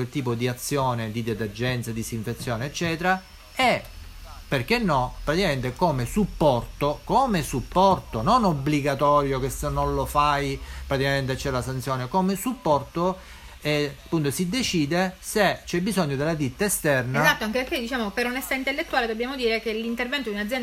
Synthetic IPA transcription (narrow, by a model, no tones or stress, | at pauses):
ilt̪iːpod̪iat̪sːjoːned̪id̪et̪erd͡ʒɛnt̪sad̪isiɱfet̪sːjoːneːt͡ʃːɛːt̪eɾa | ɛ | perkenːɔpːɾat̪ikament̪ekoːmesupːɔrt̪okoːmesupːɔrt̪ononobliɡat̪ɔːɾjokesenːonlofajpɾat̪ikament̪et͡ʃːɛlasant̪sjoːnekomesupːɔrt̪o | ɛapːunt̪osid̪et͡ʃiːd̪eset͡ʃɛbːizɔɲːod̪elːad̪it̪ːaest̪ɛrneazat̪ːoaŋkepeɾk̟ed̪it͡ʃaːmopeɾonest̪aint̪elːet̪ːuaːled̪obːjaːmod̪iːɾekelint̪ervɛnt̪od̪iunad̪zjɛn